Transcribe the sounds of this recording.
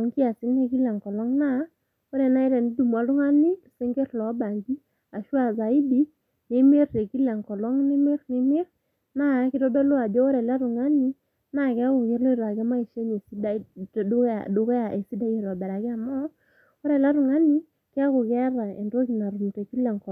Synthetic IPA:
o˨˦ŋki˦a˨sɪ˦lne˦ki˦la˨ŋkɔ˨lɔ˦ŋna˦ | o˦ɾɛ˨na˦i˦ɾɛ˨n˦du˨m˨a˨lʊ˦ŋa˦ni˦˨se˦ŋɡe˦rlɔ˨˦ba˨ŋɡi˦ | a˨ʃwa˦˨za˨i˦di˦ | ne˦me˦rte˨ki˦la˨ŋkɔ˨lɔ˦ŋne˦me˦rne˦me˦r | na˦kɪ˦tɔ˦dɔ˦lo˦a˨d͡ʒɔ˦ɔ˦ɾɛ˨la˦ɾu˨ŋa˦ni˦ | na˦˨kɪ˦a˦kʊ˨ke˦ɾlo˦ɾa˨kɛ˦ma˦i˨ʃe˦ɲe˨si˦da̰˦˨ | dʊ˦kɔ˦a˨ʔe˨si˦da˦je˨ɾɔ˨bɛ˨ɾa˨kɪ˦a˨mɔ˦ | o˦ɾɛ˨la˦ɾu˨ŋa˦ni˦ | kɪ˦a˦kʊ˨kɛ˦ɾa˨e˨ndo˦ki˨na˨ɾu˨m˨te˨ki˦lɛ˨ŋkɔ˨

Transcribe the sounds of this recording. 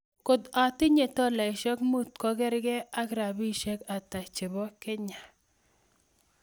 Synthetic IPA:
ko˨d̪a˨tɪ˦ɲe˨tɔ˦la˨ɪ˨ʃɔ˦kmu˦t̪kɔ˦ɡɛ˦ɾɡɛ˦a˦kɾa˨bi˦ʃe˦ka˨ta˨t͡ʃɪ˨bɔ˦kɛ˦ɲa˨

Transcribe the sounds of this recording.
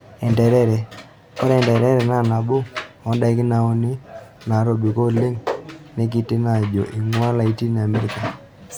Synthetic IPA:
ɛ˨ndɛ˨ɾɛ˦ɾɛ˨ | kɔ˦ɾɛ˨ndɛ˨ɾɛ˦ɾɛ˨na˦˨na˨bo˦ɔ˨˦nda˦ɪ˦kɪ˦na˨o˦ni˦na˨ɾo˨bi˨ko˦le˦ŋne˦k̬i˦ti˦na˨d͡ʒo̰˨ʔi˨ŋwa˦la˨i˦ti˦n˨a˨me˦ɾi˨ka˨

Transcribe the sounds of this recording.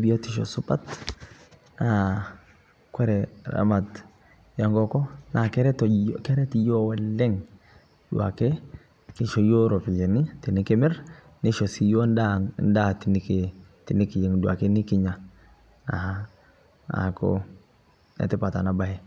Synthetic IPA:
bi˦jo˦ti˨ʃ̬ɔ̰˨su˦pa˦t | na˨ | kwɛ˦ɾɛ˨ɾa̰ma˨t | ja˨ŋɡɔ˦kɔ˦na˨kɛ˦ɾɛ˦tkɛ˦ɾɛ˦ti˨jo˦wɛ˦lːɛ˦ŋ | dṵ˨a̰˨ke˦ | ki˨ʃo˦jo˦ɾo˨pi˨je˨ni˦ti˨nɪ˦ke˦mɪ˦ɾ | ni˦ʃo˨si˨jo˦ndanda˦ti˨ni˦ke | ti˨ni˦ki˨ji˨ŋdu˨a̰˨ke˦ni˦ki˦ɲa˨ | na̰˨ha˨ | a̰˨ko̰ | nɛ̰˨tɪ˦pa˨ta˨na˨ba˨hɛ˨

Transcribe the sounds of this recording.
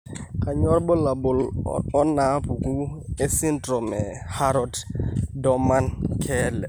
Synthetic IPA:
ka˨ɲɔ˦ɾɓɔ˦la˨ɓʊ˨lɔ˦na˨˦pu˨ku˦e˦si˦ntɾɔ˨mɛ˨ha˦ɾɔ˦ddɔ˨ma˦nkʰɛ˦lɛ˨

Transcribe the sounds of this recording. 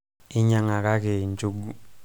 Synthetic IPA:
i˦ɲa˨ŋa˨k̬a˦k̬ɛ˨nd͡ʒu˨ɡu˦

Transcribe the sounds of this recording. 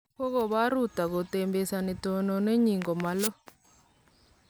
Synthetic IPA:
kɔ˦ɣɔ˦˨βa˦ɾu˦˨t̪a˨ɡo˨t̪e˨mbe˨sa˨ni˨t̪ɔ˨nɔ˨ne˦ɲi˨ŋɡɔ˨ma˨lɔ˦

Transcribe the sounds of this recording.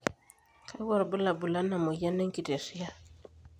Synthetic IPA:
kʰa˦jwɔ˦˨ɾbu˦la˨bu˨la˦na˨mo˨ja˦nɛ˦ŋ˦ki˨te˨si˦ja˦

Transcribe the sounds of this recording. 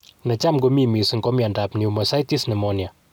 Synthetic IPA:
nɐ˨t͡ʃa˦mɡo˦mi˨mi˨sŋɡo˦mja˨ndapniu˨mɐsa˦jti˦snɛ˨mɔnja˨

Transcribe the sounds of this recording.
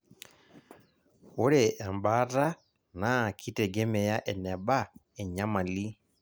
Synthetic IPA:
o˦ɾɛ˨ʔa˨mba˦ta˦ | na˨˦˨kʰi˦tɛ˨ɡɛ˦mɛ˨ja˦ʔɛ˨nɛ˨ba˦ | ɛ˨ɲa˦ma˨li˦

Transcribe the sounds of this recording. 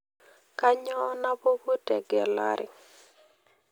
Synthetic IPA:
ka˦ɲɔ˦na˦bo˦bo˦tɛ˨ɡɛ˨la̰˦ɾɪ̰˨

